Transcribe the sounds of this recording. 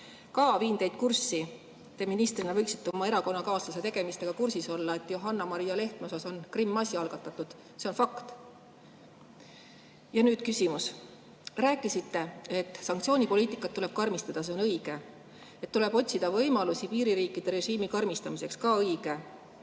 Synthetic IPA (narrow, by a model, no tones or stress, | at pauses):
kɑːviːnd̪̥e̞jd̪̥̚kursːi | t̪e̞minist̪rinɑvɤjksi̥t̪ːeo̞mɑeɾɑko̞nːɑkɑːsluse̞t̪e̞ɡ̥e̞mist̪e̞ɡ̥ɑkursiso̞lːɑe̞t̪ːˑjoɦɑnːɑmɑɾijɑle̞ht̪meosɑso̞nkrimːɑsʲiɑlɡ̥ɑt̪ːˑɑt̪ːˑud̪̥ | se̞o̞nfɑkt̪ | jɑnyːd̪̥kysʲimus | ræːkːˑisit̪ːe̞e̞t̪ːˑsɑŋk̚t̪sʲio̞ːnʲipo̞liːt̪ːˑikːˑɑt̪ːule̞b̥̚kɑrmist̪ɑd̪̥ɑs̬e̞o̞nɤjɡ̥e̞ | et̪ːule̞b̥o̞t̪ʲsid̪ɑvɤjmɑlusipiːɾiɾiːkːˑid̪̥e̞ɾe̞ʒiːmikɑrmist̪ɑmise̞kskɑːɤjɡ̥e̞